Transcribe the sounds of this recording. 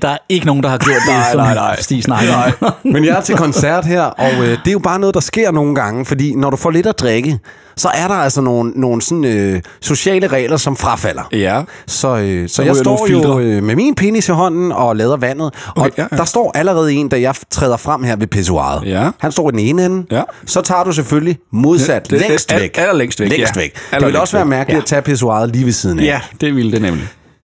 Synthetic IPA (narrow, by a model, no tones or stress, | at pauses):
d̥ɑ̈æɐe̝ɡ̥əno̝ːn̩d̥ɑhɑ̈ɡ̥jo̝ɐ̰d̥esd̥iːsnɑɡmenjaæɐt͡sʰelkʰɒ̽nsæɐ̰d̥heɐ̰ɒ̽ʊød̥e̝æjo̝b̥ɑ̈ːnɔ̽ːð̞̩ˠd̥ɑ̈sɡ̥e̝ɐ̰no̝ːn̩ɡ̥ɑ̈ŋəfɒ̽d̥ḭːnɒɾ̥ufɒ̰ːle̝d̥æd̥ʁeɡ̥ə | sɒ̽ʔæɐɾɑ̈æl̰sɒno̝ːn̩ːo̝ːn̩sɒ̽n̩ø | so̝ɕɛ̰ːləʁɛ̰ːlɐsɒ̽mfʁɑ̈fæl̰ɐsɒ̽øsɒ̽jɑsd̥ɒ̰jodmemiːnpʰe̝nisʰeɦɒ̽n̰n̩ɒ̽lɛːð̞ˠɐʋæn̰ð̞̩ˠʔɒ̽d̥ɑ̈sd̥ɒ̰ːʔæləʁɛːð̞̩ˠe̝̰ːnd̥æjɑ̈ɪt͡sʰʁɛ̰ːðˠɐfʁam̰heɐ̰ʋe̝pʰes̬oɑ̰̈ːð̞̩ˠhænsd̥ɒ̰ːid̥ene̝ːnenn̩sɒ̽t͡sʰɑ̰̈ːd̥us̬eføllimo̝ð̞ˠsæd̥lḛsd̥ʋeɡ̥lɐleŋ̰d̥lḛsd̥ʋeɡ̥eʋelɒ̽sʋæːɐmæɐɡ̥əlid̥æt͡sʰɛpʰe̝s̬uɑ̈ːð̞̩ˠliːʋesiːð̞ˠn̩d̥eʋild̥enemli